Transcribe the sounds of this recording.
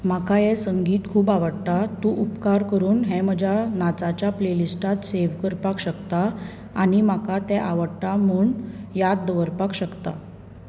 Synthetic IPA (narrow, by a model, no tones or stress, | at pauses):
m̤akajɛsəŋɡiːt̪kʰuːbaʋəɽt̪at̪ũʔupkaɾkəɾuːnɦɛm̤əd͡ʑʱanat͡sat͡ɕjaplelisʈat̪seʋkəɾpakɕəkt̪a | aɽimakat̪ɛ̃ʔaʋəɽʈ̪am̤uːɳjad̪̚dəʋəɾpakɕəkt̪a̰